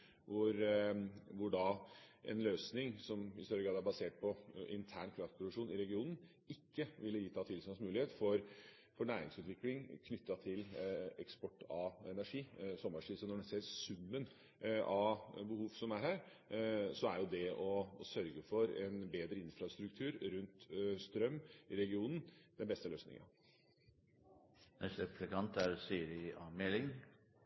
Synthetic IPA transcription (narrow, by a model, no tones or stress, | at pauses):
ʋʊɾ | ʋʊɖɑʔɛ̰nløːsnɪŋsɔmɪ̰st̪œɾəɡɾɑːd̪æɾbɑseːʈ̚pʰɔʔɪ̰nt̪ʰæːɳkʰɾɑft̪pʰɾʊd̪ʉkʂuːnɪɾɛɡɪuːnn̩ | ɪkːəʋɪlːəjiːt̪ʰɑːt̪ʰɪlsmɑnsmʉːlɪheːt̪fɔɾ | fɔɳæːɾɪ̰ŋsʉːt̪ʰʋɪklɪŋkʰnʏt̪ːɑt̪ʰɪlɛkspɔʈːɑːɛnæʂiːsɔmːɑʂisənɔɖɛseːɾsʉmːən | ɑbəhuːʋsɔmæɾhæːɾ | sɔæɾjʊd̪ɛɔɔsœɾɡəfɔɾɛnbeːd̪ɾəɪnfɾɑst̪ɾʉkt̪ʰʉːɾɾʉnt̪st̪ɾœmːɪɾɛɡɪuːnən̩d̪̥ɛnbɛst̪əløːsnɪ̰ŋɑ̰ | nɛst̪əpɾəkɑnt̪æɾsiːɾɪɑːmelɪŋ